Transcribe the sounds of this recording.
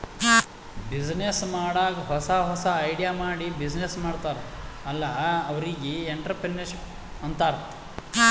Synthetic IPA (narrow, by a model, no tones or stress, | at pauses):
bid͡ʒnesmaːɽaːɡɐɦɔsɐɦɔsɐːjɽijaːmaːɽibid͡ʒnesmaːɽt̪aːɾeɐlːɐːʋɐɾiɡieɳʈɐɾpɾenɐɾʃip | ɐnt̪aːɾe